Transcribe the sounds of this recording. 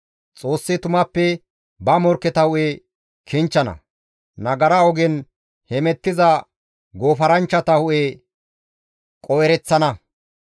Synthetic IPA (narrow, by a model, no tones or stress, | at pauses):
t͡sʼo̞ːsːɪt̪ʊmɐpːɛ | bɐmɔɾkːɛt̪ɐhʊʔe | kʰɪnt͡ʃːɐnɐ̰ | nɐɡɐɾɐɔɡɛn | hɛmɛt̪ːɪzɐ | ɡoːfɐɾɐnt͡ʃːɐt̪ɐhʊʔe | kʼɔjɛɾɛt͡sːɐnɐ